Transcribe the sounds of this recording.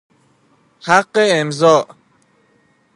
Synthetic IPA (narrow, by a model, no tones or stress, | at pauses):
haqːeemzɔːʔ